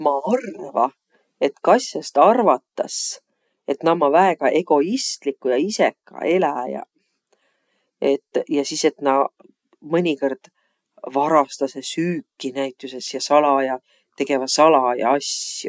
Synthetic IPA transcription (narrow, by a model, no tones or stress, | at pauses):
mɑɑrvɑ | e̞t̪kɑsʲjɑst̪ɑrvɑt̪ːɑ̰s | e̞t̪nɑmɑvæeɡ̥ɑʔe̞ɡ̥o̞ist̪likːˑujɑise̞kːɑ̰e̞læjɑ̰ | e̞t̪ːˑjɑsise̞t̪nɑ | mɤnʲiko̞rd̪̥ | vɑɾɑst̪ɑsesyːkˑːinæjt̪ːˑuse̞sjɑsɑlɑjɑ | t̪e̞ɡ̥e̞vɑsɑlɑjɑ̰ɑsjṵ